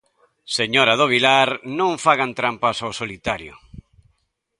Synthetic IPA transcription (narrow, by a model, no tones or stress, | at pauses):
seɲoɾaðoβ̞ilaɾnõɱfaɣant̪ɾampasawsolit̪aɾjʊ̰